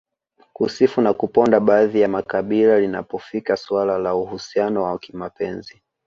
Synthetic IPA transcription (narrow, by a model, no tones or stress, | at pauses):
kusifunakupɔndaɓaːðijamakaɓilalina̰pɔfikaswalalauhusianɔwakimapɛnzi